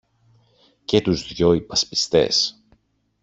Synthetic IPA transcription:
ce̞t̪uzðʝo̞ipɐspi̥st̪e̞̰s

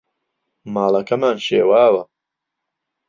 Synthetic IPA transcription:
maːlɐkɐmaːnʃeːwaːwɐ

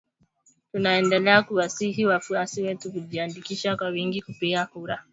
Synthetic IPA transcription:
tunaɛndɛlɛakuwasihiwafuasiwɛtukuʄiandikiʃakwawiŋɡikupiɡakuɾa

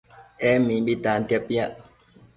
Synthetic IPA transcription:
ɛmiɓitantjapjaʔ

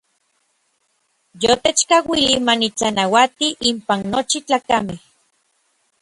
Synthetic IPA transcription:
jot̪et͡ʃkawilimanit͡sanawat̪iʔimpanːot͡ʃit͡ɬaːkameh

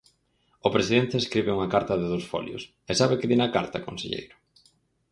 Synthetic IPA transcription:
ʊpɾesiðent̪eeskɾiβɪuŋɐkaɾt̪ɐðɪðowsfɔ̰ljʊ̰s | esaβekɪðinɐka̰ɾt̪akonsḛʎḛjɾʊ̥

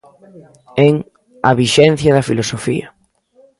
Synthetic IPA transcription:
ɛŋ | ɐβiʃɛn̟θjɐðɐfilosofiɐ

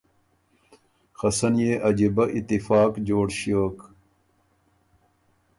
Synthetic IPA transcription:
xɐsɐnjeːʔɐd͡ʑibɐʔit̪ːifaːkd͡ʑoːɽɕjoːk

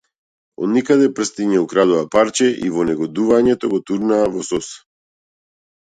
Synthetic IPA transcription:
ɔ̰d̪nikad̪ɛpr̩st̪iɲɛukɾad̪uvapaɾt͡ʃɛʔḭvɔnɛɡɔd̪uvaɲɛt̪ɔɡɔt̪uɾnaːvɔsɔs

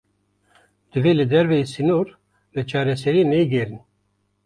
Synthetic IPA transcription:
d̪̥ɨvelɨd̪ɛɾvɛjisinoɾ | lɛt͡ʃʰɑːɾɛsɛɾiːnɛɡɛɾni

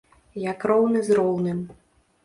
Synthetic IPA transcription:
jakrɔwnɨzrɔwnɨm

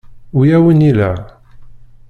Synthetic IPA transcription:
ujæwənilæ

